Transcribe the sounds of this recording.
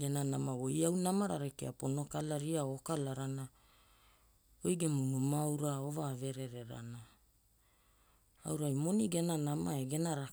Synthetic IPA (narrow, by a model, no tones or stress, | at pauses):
ɡenanamawo̞jawnamaɾa̰ɾekḛapo̞no̞kalaɾiaokalaɾana | ojɡe̞munumawɾaovaːve̞ɾe̞ɾe̞ɾa̰na | a̰wɾajmo̞niɡenanamaeɡe̞naɾa